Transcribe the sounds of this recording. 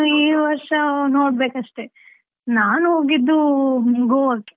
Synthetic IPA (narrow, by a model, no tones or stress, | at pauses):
iːʋɐɾʂɐnoːɽbeːkɐʂʈe | naːnuɦoːɡid̪ːumuŋɡoɐkːe